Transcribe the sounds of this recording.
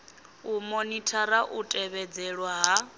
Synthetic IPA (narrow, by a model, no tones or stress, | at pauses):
umonitʰaɾaʔutʼɛβɛd͡zɛɺwaɦa